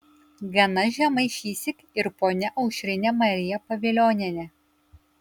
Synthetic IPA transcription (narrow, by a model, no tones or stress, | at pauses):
ɡɐnɐʒʲɛmɐɪʃʲiːsʲɪkʲ | ɪɾpoːnʲɛʔɐʊʃʲɾʲɪnʲɛmɐɾʲɪjɛpɐʋʲɪlʲoːnʲɛnʲɛ